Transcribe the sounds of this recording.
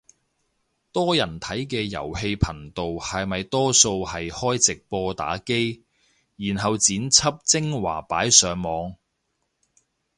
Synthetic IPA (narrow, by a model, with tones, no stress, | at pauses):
t̪ɔː˥jɐ˨˩nt̪ʰɐ˨˥jk̬ɛː˧jɐ̰˨˩whe˧jpʰɐ˨˩ŋt̪o˨whɐ˨jmɐ˨jt̪ɔː˥so˧whɐ˨jhɔː˥jt͡sɪ˨k̚pɔː˧t̪a̰ː˨˥ke˥j | jiː˨˩nɦɐ˨wt͡siː˨˥nt͡sʰɐ˥p̚t͡sɪ˥ŋwa̰ː˨˩paː˨˥jsœː˨˧ŋmɔː˨˧ŋ